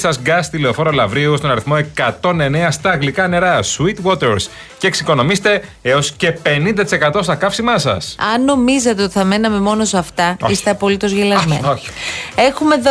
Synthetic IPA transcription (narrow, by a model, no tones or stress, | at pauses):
sɐzɡɐst̪ileofo̞ɾolɐvɾiust̪o̞nɐɾiθmo̞e̞kɐt̪o̞ne̞neɐst̪ɐːɣlikɐne̞ɾɐswit̪wo̞t̪eɾs | ceːksiko̞no̞mist̪e̞ | eo̞sce̞pe̞nind̪ɐt̪i̥se̞kɐt̪o̞sθɐkɐfsimɐsɐ̰sɐnːo̞mizɐt̪e̞o̞t̪iθɐme̞nɐme̞mo̞no̞sɐft̪ɐist̪e̞ɐpo̞lit̪o̞zʝilɐzmeoe̞xume̞ð